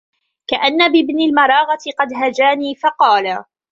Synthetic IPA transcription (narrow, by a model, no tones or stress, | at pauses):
kaʔanːabɪbnɪlmɑɾˤɑːɣɑt̪ɪqɑd̪ɦad͡ʒaːniːfɑqɑːla